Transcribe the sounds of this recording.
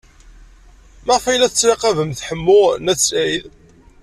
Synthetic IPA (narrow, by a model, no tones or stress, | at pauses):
mæʁfæjlæθət͡sːɾeqævəmθħəmːʊnæsæjð